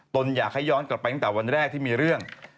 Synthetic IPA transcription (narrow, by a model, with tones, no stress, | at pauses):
t̪o˧njaː˨˩k̚ha˥˩jɔː˦˥nkla˨˩pa˧j̪a˥ŋt̪ɛː˨˩wa˧nɾɛː˥˩k̚t̪ʰiː˥˩miː˧ɾɯ˥˩əŋ